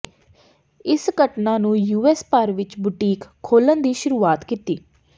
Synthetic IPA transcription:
ɪsɡəʈnãːnũːjuːɛːspəɾʋɪt͡ʃbʊʈiːkʰːoːlənd̪iːʃʊɾuːaːt̪kit̪iː

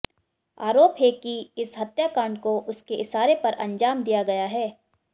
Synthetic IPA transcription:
a̰ːɾoːpɦɛkiɪsɦɐt̪jakaːɳɖkoʔʊskeʔɪsaːɾepɐɾʔɐ̰̃ɲd͡ʒaːmd̪ijaɡɐjaɦɛː

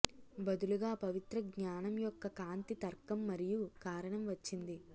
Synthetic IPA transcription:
bɐd̪uluɡaːpɐʋit̪ɾɐɡɲaːnɐmjɔkːɐkaːnt̪it̪ɐɾkɐmːɐɾijukaːɾɐɳɐmʋɐt͡ʃːind̪i

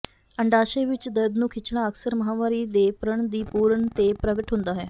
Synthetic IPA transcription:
əɳɖaːʃeːʋɪt͡ʃd̪əɾd̪nũːkʰɪt͡ʃɳ̃aːəksəɾməɦaːmaːɾiːd̪eːpɾəɳd̪iːpuːɾəɳt̪eːpɾəɡəʈɦʊ̃nd̪aːɦɛː

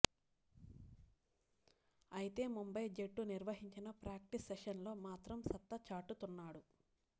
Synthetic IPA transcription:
ɐjit̪e̞ːmumbɐjd͡ʒeʈːuniɾʋɐɦiɲt͡ʃinɐpɾaːk̚ʈisːeʃɐnlo̞ːmaːt̪ɾɐmsɐt̪ːɐt͡ʃaːʈːut̪unːaːɽu

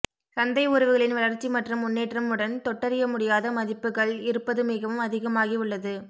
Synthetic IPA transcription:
sɐnd̪ɐɪʊɾɐʋɯɣɐɭɪnʋɐɭɐɾt͡ʃːimɐʈrɯmːʊnːeːʈrɐmɯɽɐnt̪ɔʈːɐɾɪjɐmʊɽɪjaːðɐmɐðɪpːɯɣɐɭɪɾɯpːɐðɯmɪɣɐʋɯmɐðɪɣɐmaːɣiʊɭːɐðɯ

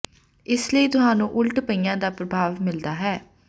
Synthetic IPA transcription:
ɪsləiːt̪ʊɦaːnũːʔʊlʈpəiːãːd̪aːpɾəbʱaːʋmɪld̪aːɦɛː

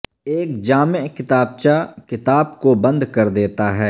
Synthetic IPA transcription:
eːk̚d͡ʒaːmekɪt̪aːb̚t͡ʃakɪt̪aːb̚kobɐ̃nd̪kɐɾd̪eːt̪aɦɛː

